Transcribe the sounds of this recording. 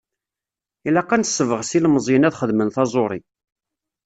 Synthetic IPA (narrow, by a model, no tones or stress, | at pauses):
ilæqːænsːəvəʁsilməzˤjənæðχəðmənθɑzˤoɾˤi